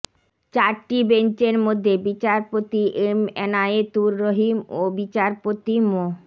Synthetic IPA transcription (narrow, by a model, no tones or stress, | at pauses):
t͡ɕaɾʈibent͡ɕeɾmod̪ʱːebit͡ɕaɾpot̪iʔemenaet̪uɾːoɦimobit͡ɕaɾpot̪imo